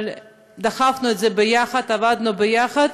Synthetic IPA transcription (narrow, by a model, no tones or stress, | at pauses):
l | d̪ɐχafnuet̪zebejaχɐd̪avad̪nubejaχad̪